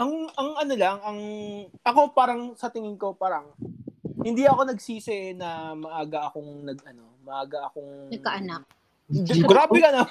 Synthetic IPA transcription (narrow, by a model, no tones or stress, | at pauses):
ʔɐŋɐŋʔɐno̞lɐŋɐŋʔɐko̞paːɾɐŋsɐt̪ɪŋɪŋko̞paːɾɐŋ | hɪnd̪iɐko̞nɐɡsiːsɛʔnɐmɐʔaːɡɐʔɐko̞ŋnɐɡɐno̞mɐʔaːɡɐʔɐko̞ŋnɐkɐʔɐnak̚ | ɡɾaːbɪlɐnɐ